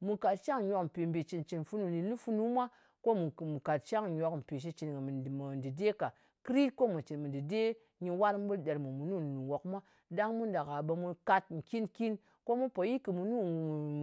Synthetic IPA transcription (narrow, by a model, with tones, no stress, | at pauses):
mu˨ka˨t̚t͡ʃa˦ŋ˨ɲʷo˨km̩˨pe˨mbi˨t͡ʃi˨nt͡ʃi˨nfu˦nu˨ni˨nu˦fu˧˦nu˦mʷa˦ | ko˦mu˨mu˨ka˨t̚t͡ʃa˦ŋ˨ɲo˨km̩˨pi˨ʃ̬i˧t͡ʃi˨n˨mə˨ndi˨de˦ka˨ | kɾi˦tko˦mu˨t͡ʃi˨nmɨ˨di˨de˦ | ɲi˧wa˦ɾm̩˦bu˦lde˨ɾmu˨mu˨nu˦˨ni˨ni˨wo˨kmʷa˦ | da˦ŋmu˦nda˨ka˨ɓə˧mu˧ka˧t̚ŋ̩˨ki˦nki˦n | ko˦mu˦po˨ji˦kɨ˨mu˨nu˦˨